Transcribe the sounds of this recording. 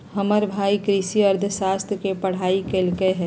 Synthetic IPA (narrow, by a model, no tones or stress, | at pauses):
hɐməɾbʱaːikɾisiɐɾd̪ʱəʃaːst̪ʰjkepɐɽ̤aːikelkeɦɛ̃